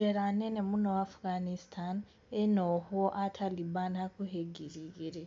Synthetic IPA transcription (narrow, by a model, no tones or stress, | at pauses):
eɾanenemunowafɡanistʰan | enohoʔatʰalibanhakuheɡiɾiɣiɾe